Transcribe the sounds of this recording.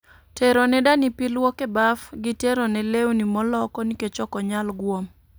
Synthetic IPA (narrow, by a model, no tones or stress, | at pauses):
teɾonɛdanipilwokebafɡiteɾonɛlewnimɔlɔkɔniket͡ʃɔkɔɲalɡwom